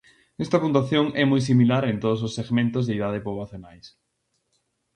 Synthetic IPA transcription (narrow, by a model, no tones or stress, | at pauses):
nɛst̪ɐpũnt̪waθjoŋɛmɔjs̬imilaɾent̪oð̞os̬osːeɣmẽnt̪ozðeiðað̞epoβlaθjonajs